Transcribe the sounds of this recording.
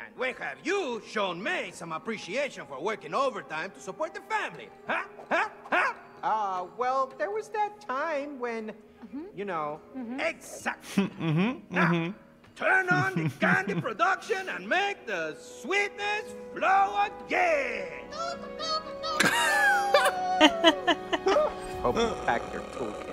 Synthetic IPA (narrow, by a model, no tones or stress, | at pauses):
ʔɨ̰̃nwɛ̃nhɨvjuʃõʊ̃nmisʌ̃məpɹiʃieɪʃɨ̃nfɔɹwɜ˞kɪ̃ŋovə˞tãɪ̃mt̪usəpɔɹt̪̚ðəfæ̃mlḭ | hahaha | ʌwɛlˠðə˞wʌzðɨtʰãɪ̃mwɛ̃n | jɨnoʊɛksæk̚tlinaʊ | tʰɜ̃˞nə̃nðɨkæ̃ndipʰɹ̥ɨdʌkʃɨ̃nɨ̃nmeɪk̚ðɨswit̚ⁿnɨsfloʊəd̚ɡɛ | s | ofæ̰k̚tʰə̰˞tʰɔ̰k